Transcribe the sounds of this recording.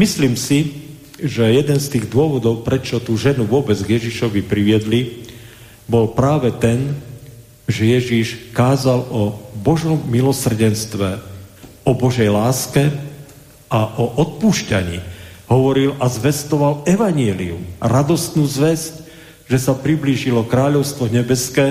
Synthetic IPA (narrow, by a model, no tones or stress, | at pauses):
misliːmsi | ʒɛjɛd̪ɛnst̪iːɣd̪ʊɔʋɔd̪ɔʊpɾɛt͡ʃɔt̪uːʒɛnuʋʊɔbɛd͡zɡjɛʒiʃɔʋipɾiʋɪɛd̪li | bɔlpɾaːʋɛt̪ɛn | ʒɛjɛʒiʃkaːzalɔbɔʒɔmːilɔsr̩ɟɛnst̪ʋɛ | ɔbɔʒɛjlaːskɛ | aʔɔʔɔt̪̚puːʃcaɲḭːɦɔʋɔɾilazʋɛst̪ɔʋalɛʋaɲɪɛlḭṵmɾad̪ɔst̪nuːzʋɛsc | ʒɛsapɾibliːʒilɔkɾaːʎɔʊst̪ʋɔɲɛbɛskɛː